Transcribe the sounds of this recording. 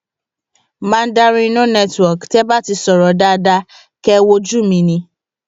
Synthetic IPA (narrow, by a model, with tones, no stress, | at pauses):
mã˦˧n̩˦da˧ɾ̃ĩ˦˧nũ˦nɛ˦twɔ˨ktɛ˦ba˦ti˧sɔ˨ɾɔ˨da˧da˧ | kɛ˦wo˧d͡ʒu˦˨mĩ˧nĩ˧